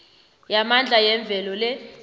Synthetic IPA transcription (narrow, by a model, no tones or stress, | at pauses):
jamand͡ɮʱajɛɱb̪vʱɛlɔlɛ